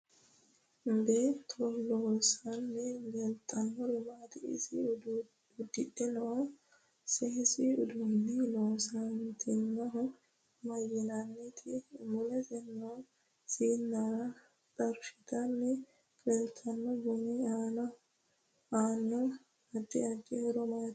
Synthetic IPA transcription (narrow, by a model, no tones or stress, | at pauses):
mbeːt̪ʰːɔloːsɐnːɛɡɛlt̪ʼːɐnːɔɾɪmaːt̪ɪɪ̰sɪ | ʊd̪ːɪtːɪnɐɔ | sɛɪsɪʊd̪unːɪloːsɐnt̪ʰɪnːɐɦʊ | mɐjɪnɐnːɛt̪ʰɪmʊlɛsɛnːɔ | siːnːɐɾɐ | t͡sʼɐɾfɪt̪ɐnːɛ | ɡɛlt̪ʰɐnːɔbɔnɛaːnɐ | aːnːɔ | ɐd̪ːɪɐd͡ʒɛhɔɾɔmaːt̪